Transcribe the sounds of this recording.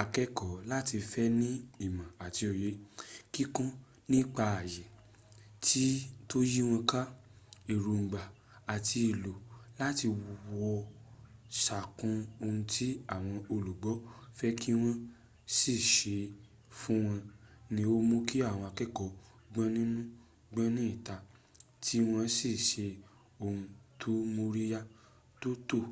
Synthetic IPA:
a˧kɛ˦kɔ˨la˦ti˧fɛ˦nĩ˦i˦˨mã˨a˨ti˧ɔ˨je˨˦ki˦kɔ̃˦ | nĩ˦k͡pa˧a˨jɛ˨ | tʰi˦to˦ji˦w̃ɔ̃˧ka˦ | i˨ɾu˨˧˨ŋ̩˨ɡ͡ba˨ | a˨ti˧i˨lo˨la˦ti˧wɔ˧ | ʃa˨kũ˧o˧ũ˧ti˦a˦˨w̃ɔ̃˧o˧lu˨ɡ͡bɔ˨˦fɛ˦kʰi˦w̃ɔ̃˧ | si˦˨ʃe˨˧ | fũ˦w̃ɔ̃˧nĩ˧o˦mo˦ki˦a˦˨w̃ɔ̃˧a˧kɛ˦kɔ˨˦ | ɡ͡bɛ̃˦nĩ˦nũ˦ | ɡ͡bɛ̃˦nĩ˦i˦˨ta˧ | tʰi˦w̃ɔ̃˧si˦˨ʃe˧ | o˧ũ˧tʰo˦mo˧ɾi˦ja˦ | to˦to˦˨

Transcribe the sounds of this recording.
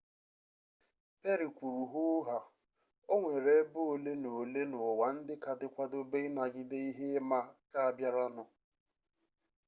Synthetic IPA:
pe˦ɾi˨kʷu˨ɾu˨ɦʊ˦ɦa˨ | o˦ŋʷe˨ɾe˨˦bo˦o˨le˦no˨le˦nʊ˨wa˨n̩˦dɪ˦ka˨dɪ˦kʷa˦do˦be˦ɪ˦na˨ɡɪ˦de˦i˦ɦe˦ma˦ka˦a˨bja˦ɾɔ˦nʊ˨

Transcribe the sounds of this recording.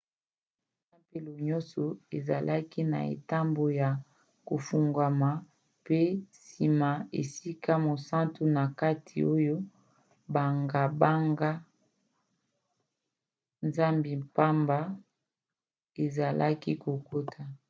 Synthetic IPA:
sa˦mpe˦lo˨ɲɔ̃˦sɔ˨e˨za̰˨lʔa˦ki˦na̰˨ḛ˨ta˦mbo˨ja˨ | ko˨fu˨ŋɡa˨ma˨ | pe˦si˨ma˨ḛ˨si˦ka˦mo˨sã˦ntu˦na˨ka˦tʰḭ˨o˦jo˦ | ba˨ŋɡa˨ba˦ŋɡa˦ | nza˦mbi˨pa˦mba˦ | e˨za˨lʔa˦ki˦ko˨ko˦tʰa˨

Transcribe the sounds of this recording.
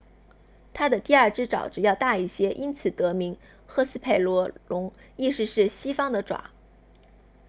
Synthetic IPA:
t̪ʰa˥d̪ə˨t̪i˥˧ɐ˞˥˩ʈ͡ʂɻ̩˥ʈ͡ʂɑ̰˨˩ʊʈ͡ʂɻ̩˨˩jɑ˥˧ʊt̪a˥˧i˥˩ɕjɛ˥ʔi˥nt͡sʰɹ̩˨˩t̪ɤ˧˥mi˧˥ŋ | xɤ˥˧sɹ̩˥pʰe˥˩ɪlwɔ˧˥lʊ˧˥ŋi˥˩ʂɻ̩˥˧ʂɻ̩˥˩ɕi˥fɑ˥ŋd̪ə˨ʈ͡ʂwa̰˨˩˦

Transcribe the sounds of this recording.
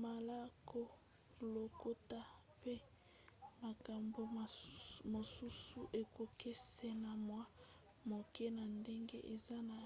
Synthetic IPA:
ma˨la˦kʰo˦ | lo˨ko˦ta˦ | pe˦ | ma˨ka˨mbo˨mo˨su˦su˨ʔe˨ko˨ke˦se˦na˨mwa˦ | mo˨ke˦na˨nde˦ŋɡḛ˦ʔe˨za˦na˨

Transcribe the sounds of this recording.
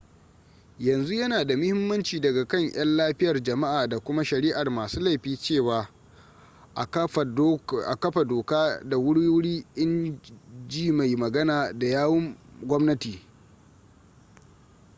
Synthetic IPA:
jɐ˨nzu˦jɐ˦naː˨da˨mʊ˦hɪ˦mːɐ˦nt͡ʃiː˨dɐ˨ɡa˨kɐ˦˨ɲʔj̰ɐ˦nlaː˦ɸɪ˦jɐ˨rd͡ʒɐ˨ma˦ʔaː˨da˨kʷʊ˦ma˦ʃɐ˨ɾi˦ʔa˨rmaː˨suː˦la˦˨jɸiː˦t͡ʃeː˦˨waː˨ | ʔa˨ | ʔa˨kɐ˦ɸa˨doː˨kaː˦da˨wʊ˦ɽju˦ɽiː˦ʔɪ˦n | d͡ʒiː˦˨ma˨jmɐ˨ɡɐ˦naː˨da˨jaː˦wɔ˦ŋɡʷɔ˦mnɐ˦tiː˨

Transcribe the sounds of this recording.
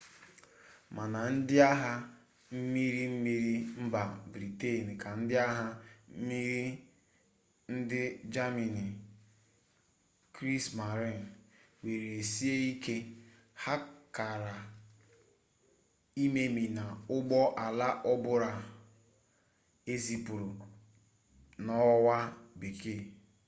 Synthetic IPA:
ma˨na˨n̩˦dɪ˦a˦ɦa˦ | m̩˦mi˦ɾi˦m̩˦mi˦ɾi˦m̩˦ba˨bɾi˨te˦˨n˨kʰa˨n̩˦dɪ˦a˦ɦa˦m̩˦mi˦ɾi˦ | n̩˦dɪ˦d͡ʒa˦mi˨ni˨ | kɾi˦sma˨ɾi˦˨n˨ | we˨ɾe˨si˦e˦i˦ke˦ | ha˦ka˨ɾa˨ | i˦me˦mi˨na˨ʊ˦ɡ͡bɔ˦ʔa˨la˦ʔɔ˦bʊ˦ɾa˨ | e˦zi˨pu˨ɾʊ˨ | nɔ˦wa˦bi˨ke˦˨

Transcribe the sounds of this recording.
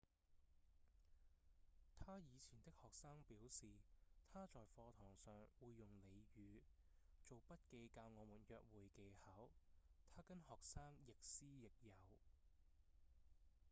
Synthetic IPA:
t̪ʰaː˥jiː˨˧t͡sʰiː˨˩nt̪ɪ˥k̚hɔː˨k̚saː˥ŋpiː˨˥wsiː˨t̪ʰaː˥t͡ʃɔː˨jfɔː˧t̪ʰɔː˨˩ŋsœː˨ŋwuː˨˧jːʊ˨ŋle˨˧jjyː˨˧ | t͡so˨wpɐ˥t̚ke˧jkaː˧wŋɔː˨˧muː˨˩njœː˨k̚wuː˨˩jke˨˧jhɐ˨˥wt̪ʰaː˥kɐ˥nhɔː˨k̚saː˥ŋjɪ˨k̚siː˥jɪ˨k̚jɐ˨˧w

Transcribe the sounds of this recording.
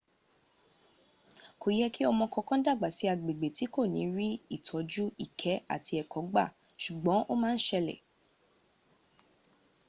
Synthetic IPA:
ko˨jɛ˦ki˦ɔ˧mɔ̃˧kɔ˧kɔ̃˦da˦˨ɡ͡ba˨si˨˦a˧ɡ͡be˨ɡ͡be˨ti˨˦ko˦˨nĩ˨˦ɾi˦i˦˨tʰɔ˨˦d͡ʒu˦i˦˨kʰɛ˨˦a̰˦˨ti˧ɛ˨kʰɔ˨˦ɡ͡ba̰˦˨ʃu˨ɡ͡bɔ̃˨˦ʔo˦mãː˦n̩˦ʃɛ˧lɛ̰˨

